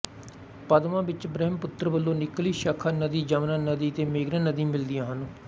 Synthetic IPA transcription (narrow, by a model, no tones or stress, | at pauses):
pəd̪ʋãːbɪt͡ʃbɾɛːmpʊt̪ːəɾbəlːõːnɪkliːʃəkʰənəd̪iːd͡ʒəmnãːnəd̪iːt̪eːmeːɡɾãːnəd̪ĩːmɪld̪ɪjãːɦənː